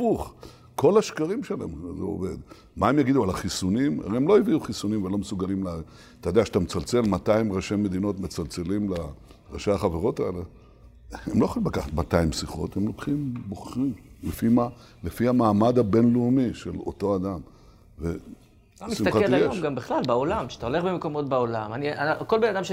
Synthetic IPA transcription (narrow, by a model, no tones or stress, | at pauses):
fuχ | kʰo̞laʃkaʁimʃelaemzeo̰ved̪ | maemjaɡid̪ualaχisunima̰ʁeemlo̞eviuχisunimvelo̞mesuɡalimla | t̪ajd̪eaʃat̪amet͡salt͡se̞lmat̪aimʁaʃemed̪ino̞t̪met͡salt͡se̞limla | ʁaʃaaχaveʁo̞t̪aele | emlo̞jaχolimlakaχat̪mat̪aimsiχo̞̰t̪hemlo̞kχimbo̞χʁimlefima | lefiamaːmad̪abe̞nluumiʃelo̞̰to̞ad̪am | ve | misiaaljeomɡambiχlalbaolamʃe̥at̪aole̞χbemeko̞mo̞t̪̚baolamaniakolbenadamʃ